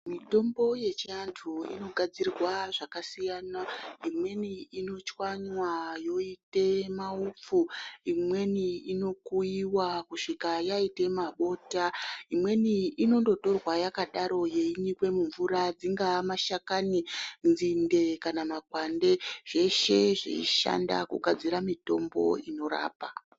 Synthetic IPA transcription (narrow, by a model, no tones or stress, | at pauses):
mito̞mbo̞je̞t͡ʃiantʰuḭno̞ɡʱad͡zirrwaʐakasijanaimwe̞niino̞t͡ʃwaɲwajo̞ite̞maup͡fuimwe̞niino̞kuiwakuʂikajaite̞maɓo̞ːtaimwe̞niino̞ndo̞to̞rwajakaɗaɾo̞jeiɲikwe̞muɱvuɾad͡ziŋɡamaʃakanind͡zinde̞kanamakwande̞ʐ̥e̞ʃe̞ʐḛḭʃa̰nda̰kṵɡʱad͡ziɾamito̞mbo̞̰ino̞ɾa̰ːpa